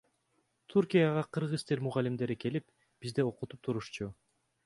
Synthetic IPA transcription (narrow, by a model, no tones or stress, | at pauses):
t̪ʰuɾkʲijaʁɑqʰɯɾʁɯzt̪eɾmuʁɑlʲimd̪e̞ɾike̞lip | b̥izd̪eo̞qut̪u̥p̚t̪ʰuɾuʃt͡ʃu